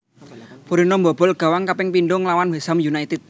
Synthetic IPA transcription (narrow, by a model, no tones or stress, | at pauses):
puɾinombɔb̥ɔ̤lɡ̥a̤waŋkapɪŋpinɖʊŋlawanwesamjunajt̪ɪt̪̚